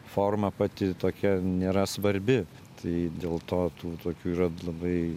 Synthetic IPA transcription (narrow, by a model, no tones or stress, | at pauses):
foːrmɐpɑt̪ʲɪt̪oːkʲɛnʲeːɾɐsʋɐɾʲbʲɪ | t̪ʰɐɪd̪ʲeːlˠt̪oːt̪uːt̪oːkʲuːiːɾɐlˠɐbɐɪ